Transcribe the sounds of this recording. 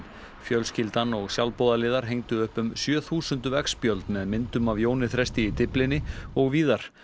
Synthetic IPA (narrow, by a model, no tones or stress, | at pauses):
fjœlscɪlt̪anɔɣsjawlpoːðalɪːðaɾɦejŋt̪ʏʏhpʏmsjœːθuːsʏnt̪ʏvɛkspjœlt̪nmɛðmɪnt̪ʏmavjoːwnɪθɾɛst̪ɪit̪ɪplɪnɪɔɣviːðaɾ̥